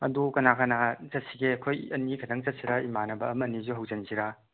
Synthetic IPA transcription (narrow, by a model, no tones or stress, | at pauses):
ɐ̰dukɐnakanazɐt̚siɡeɐkʰojɐniɡʰɐdaŋzɐt̚siɾaimanɐbɐ̰ːmɐnizuɦɐwzɐnziɾa